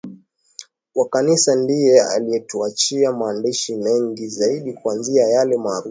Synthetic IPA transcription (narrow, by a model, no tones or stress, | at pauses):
wakanisandijɛa̰liɛtuat͡ʃiamaːndiʃimɛŋɡizaiɗikuanziajalɛmaːɾu